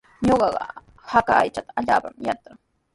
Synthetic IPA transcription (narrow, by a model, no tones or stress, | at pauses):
ɲoɢɑɢɑ̰ | hakaːjt͡ʃat̪aaʎaːpamjat̪aŋ